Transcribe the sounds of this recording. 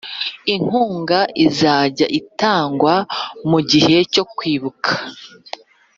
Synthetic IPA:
iŋ̥huːŋɡaʔizaːɟa̰ʔitaːŋɡwamuɟihe̞co̞kwiːβukʰḁ

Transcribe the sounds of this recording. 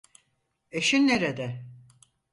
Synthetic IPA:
eʃinːeɾed̪ɛ

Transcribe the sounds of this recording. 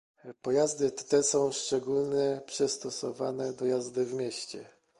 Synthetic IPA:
pɔjazd̪ɘt̪ɛsɔ̃w̃ʂt͡ʂɛɡulnɛpʂɛst̪ɔsɔvanɛd̪ɔjazd̪ɘvmʲjeɕt͡ɕɛ̰

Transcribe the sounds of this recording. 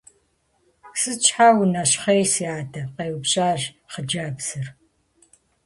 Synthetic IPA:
sɨt͡ʃʰʼħaːwnɐɕχejsiaːdʰɐqeːwpɕʼaːʒ | χəd͡ʒaːbz̥ɨr

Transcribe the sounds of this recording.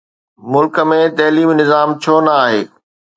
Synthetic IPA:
mʊlkə̆mẽt̪ɐɦliːmnɪzaːmt͡ɕʰoːnɐaːɦeː

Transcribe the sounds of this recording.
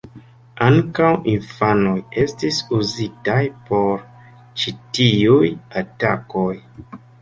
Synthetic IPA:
aŋkawinfanoje̞stisuzitajpo̞ɾ | t͡ʃitiujatakoj

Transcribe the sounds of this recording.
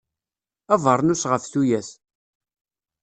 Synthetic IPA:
ævəɾˤnusʁəfθujæs

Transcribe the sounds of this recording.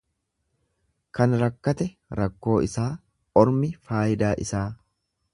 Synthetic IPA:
kɐnɾɐkːɐt̪ɛ | ɾɐkːo̞ːɪsaː | ɔɾmɪfaːjɪd̪aːʔɪsaː

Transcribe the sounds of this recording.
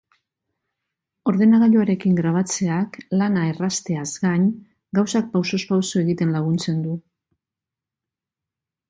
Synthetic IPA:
o̞ɾðe̞naɣaʎoaɾe̞kiŋɡɾaβ̞at͡se̞aklanae̞rast̪e̞azɡaɲ | ɡawsak̚pawso̞spawso̞e̞ɣit̪e̞nlaɣ̞unt͡se̞nd̪u

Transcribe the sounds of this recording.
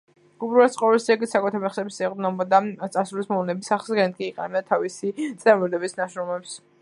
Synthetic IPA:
ɡ̥ubɾuat̪sʼqʼɔvɛlsɛɡit̪sakʼɛt̪ʰaɾmɛχsɛbisɛʁʼd̪nɔbɔd̪at̪sʼasɾulismɔlɛnɛbisaχsɡɛnt̪̚kʼiːqʼɛ̰nat̪ʰavisit̪sʼɛmɔd̪ɛbisnaʃɾɔmɛps

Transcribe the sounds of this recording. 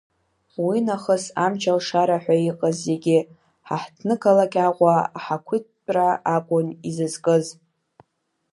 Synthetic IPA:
winaχəsamt͡ʃʰalʂaɾaħʷᶣaiqʼazːeɡʲɪ | ħaħtʰnɨkʰalakʲʼaqʷaaħakʷʰitʼraʔakʷʼʊnizɨzkʼɨz

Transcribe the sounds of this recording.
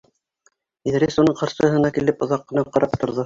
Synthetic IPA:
iðɾʲesonɤɴqɑɾʃɤ̆ɦɤ̆nɑkilɘpŏðɑqːɤ̆nɑp̚qɑɾɑpt̪ŏɾðɤ

